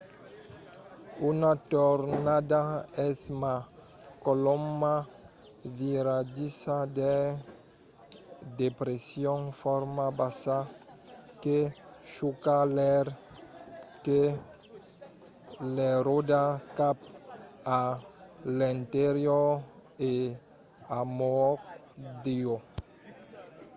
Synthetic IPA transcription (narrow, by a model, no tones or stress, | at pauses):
unat̪oɾnad̪aɛsma | koloma | viɾad͡ʒisad̪e | d̪epɾesjõŋfɔɾmabasa | ke | ʃukaleɾ | ke | leɾod̪akap | a | lẽnt̪eɾjo | e | amok | d̪io